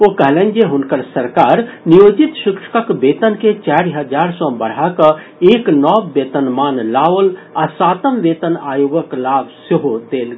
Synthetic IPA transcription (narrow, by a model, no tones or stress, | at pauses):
okəɦlẽːnd͡ʒeɦʊnkəɾsəɾkaːɾnijoːd͡ʒit̪ʃɪkʂə̥kəkbeːt̪ənket͡ʃaːɾiɦəd͡ʒaːɾsɔ̃bəɽ̤akə | eːknɔːbːeːt̪ənmaːnlaːʋəlasaːt̪əmʋeːt̪ənaːjoɡəklaːbsəɦod̪eːl